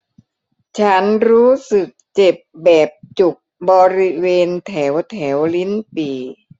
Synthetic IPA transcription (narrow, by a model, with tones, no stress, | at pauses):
t͡ɕʰa˦˥nɾuː˦˥sɯ˨˩k̚t͡ɕe˨˩p̚bɛː˨˩p̚t͡ɕu˨˩p̚bɔː˧ɾi˦˥weː˧nt̪ʰɛː˩˦wt̪ʰɛː˩˦wli˦˥npiː˨˩